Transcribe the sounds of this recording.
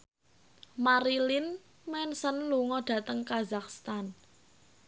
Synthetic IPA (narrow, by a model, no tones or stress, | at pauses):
maɾilin | mɛnsənluŋɔd̥ä̤t̪əŋkazakst̪an